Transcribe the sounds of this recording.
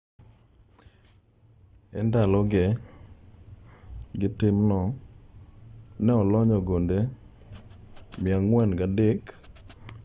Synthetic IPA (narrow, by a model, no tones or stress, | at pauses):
ɛndalɔɡɛ | ɡɪtɪmnɔ | nɛɔlɔɲɔɡonde | mɪaŋwɛnɡadɪk